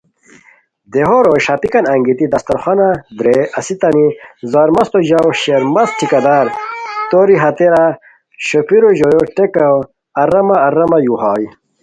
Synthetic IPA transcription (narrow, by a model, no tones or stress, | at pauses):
d̪eɦoɾoɕɐpikɐnɐŋɡit̪id̪ɐst̪ɐɾxwɐnad̪ɾeɐsit̪ɐnizaːɾmɐst̪oʑawɕeɾmɐsʈʰikɐd̪aːɾt̪oɾiɦɐt̪eɾa | ɕopʰiɾoʑojoʈekɐw | ɐɾɐmaːɾɐmɐjuɦɑːj